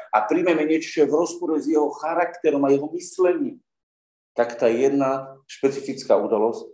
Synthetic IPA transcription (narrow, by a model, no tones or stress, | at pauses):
apɾiːmɛmɛɲɪɛt͡ʃɔ̥ʒɛvɾɔspɔɾɛzjɛɦɔxaɾakt̪ɛɾɔmajɛɦɔmislɛɲim | t̪akt̪ajɛd̪naʃpɛt͡sifit͡skaud̪alɔsc